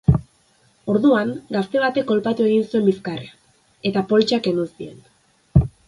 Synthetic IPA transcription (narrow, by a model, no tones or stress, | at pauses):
o̞ɾðuaŋɡast̪e̞β̞at̪e̞kːo̞lpat̪ue̞ɣ̞insue̞mbiskarea | e̞t̪apo̞lt͡ʃake̞nusie̞̰n